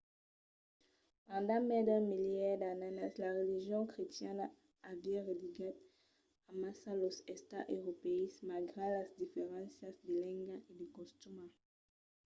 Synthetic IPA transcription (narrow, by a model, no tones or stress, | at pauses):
pɑ̃d̪ɑ̃mɛd̪amiljɛʁd̪ananaslaʁeliʒjɔ̃kχet̪jɛn | avɛʁed̪iɡat̪ | amasalosɛst̪a̰ʔøʁopeismalɡʁelasd̪ifeʁɑ̃sasd̪elɛ̃ŋɡaʔed̪ekɔ̃st̪ymã